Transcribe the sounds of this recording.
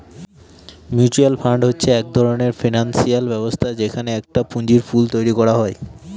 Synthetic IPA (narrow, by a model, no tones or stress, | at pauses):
mjut͡ɕualfʰaɳɖɦotːɕʰeɛk̚d̪ʱɔɾoneɾfinansialbɛbost̪ʰad͡ʑekʰaneɛk̚ʈapuɲd͡ʑiɾfult̪ojɾikɔɾaɦɔe